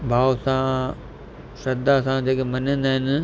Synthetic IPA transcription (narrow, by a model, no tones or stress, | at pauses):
bʱaːʋsã | sɐd̪asãd͡ʑeːkemɐnẽːnd̪aːɦɪnɪ̆